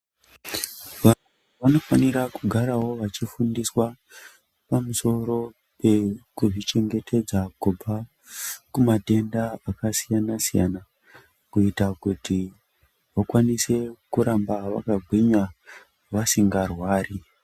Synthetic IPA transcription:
ʋanwe | ʋano̞faniɾakuɡʱaɾawo̞ʋat͡ʃifundiswa | pamuso̞ɾo̞ | pe̞kuʐit͡ʃe̞ŋɡe̞tʰe̞d͡zakub͡vʱa | kumate̞ndaakasijanasija̰na | kuitakuti | ʋakwanise̞kuɾambaʋa̰kaɡʱwiɲa | ʋasiŋɡarwaːri

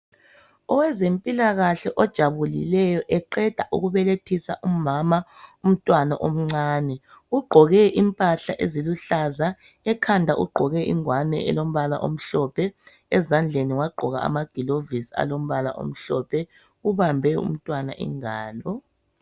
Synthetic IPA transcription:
ɔwɛzempʼilaɣaɬɛʔɔd̥ʒ̥ʱaβulḭlɛjɔʔɛǃɛd̥ʱaʔṵɣuβɛletʰisaʔumamaum̩tʼwanaʔom̩ŋ͡ǀaːnɛ | uɡ͡ǃʱɔɣɛʔimpʼaɬaʔeziluɬaza | ɛkʰandʱaʔṵɡ͡ǃʱɔɣɛʔḭŋwanɛ̰ɛ̰lom̩βala̰ʔom̩ɬɔpʰɛ | ɛzand͡ɮʱeniwaɡ͡ǃʱɔɣa̰ːmaɡ̥ʱilovisa̰lom̩βala̰ʔo̰m̩ɬɔpʰɛ | uβambʱɛṵm̩tʼwana̰ʔḭŋaːlɔ

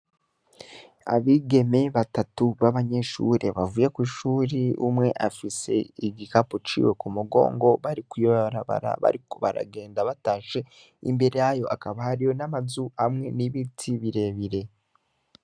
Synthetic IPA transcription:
a̰βiɡe̞me̞βatatuβaβaɲe̞ʃuɾe̞βavuje̞kwiːʃuːɾiṵmŋe̞ʔafise̞̰iɟikapot͡ʃḭwe̞kumuɡo̞̰ːŋɡo̞βaɾikwiβaβaɾaβa̰ɾa̰βa̰ɾikoβa̰ɾa̰ɡe̞ːndaβataːʃe̞ | ḭmbe̞ɾejajo̞ʔakaβahaɾijo̞namazuhamŋe̞niβitʰiβiɾe̞ːβiɾe̞

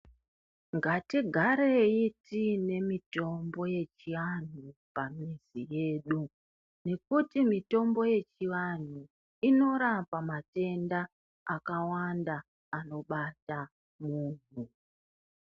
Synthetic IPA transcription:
ŋɡatiɡʱaɾeitine̞mito̞mbo̞je̞t͡ʃiʋan̤upamizije̞ːɗu | ne̞kutimito̞mbo̞je̞t͡ʃiʋan̤u | ino̞ɾapamate̞nda | akawandaː | no̞ɓata | muːn̤u

